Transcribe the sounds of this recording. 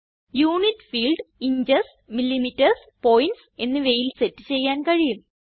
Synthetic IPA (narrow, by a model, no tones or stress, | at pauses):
juːnitfiːlɖiɲd͡ʑɐs | milːimitːɐrs | poːjnʈse̞nːɨʋe̞jilsetːɨ̥t͡ɕe̞jːaːnkɐɻijum